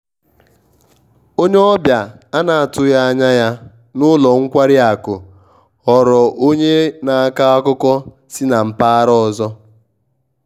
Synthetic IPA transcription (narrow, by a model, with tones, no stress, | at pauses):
o˦ɲe˦ɔ˦bja˨a˦na˨a˨tʊ˦ja˦a˦ɲa˦ja˦ | nʊ˦lɔ˨ŋ̩˦kʷa˦ɾi˦a˨kʊ˨ | ɔ˨ɾɔ˨ʔo˦ɲe˦na˨a˦ka˦a˦kʊ˦kɔ˦ | si˦na˨m̩˨pa˦a˦ɾɔ˦ɔ˨zɔ˦